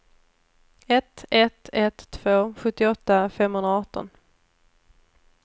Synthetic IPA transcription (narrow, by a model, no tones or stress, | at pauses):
ɛt̪ɛt̪ɛt̪ʰːv̥oːɧɵt̪ːɪɔt̪ːafɛmːhɵnd̪ɾaɔːʈːɔ̰n